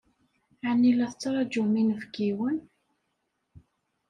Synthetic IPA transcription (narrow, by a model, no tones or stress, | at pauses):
anːilæθət͡sːɾˤɑd͡ʒuminəvɡiwən